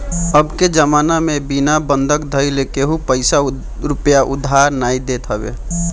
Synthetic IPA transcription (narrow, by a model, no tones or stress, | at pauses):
əbked͡ʒəmaːnamẽbinabə̃nd̪ʱəkd̪ʱəjlekeɦupəɪsa | ɾʊpjaʔʊd̪ʱːaɾnaid̪et̪ɦəbḛ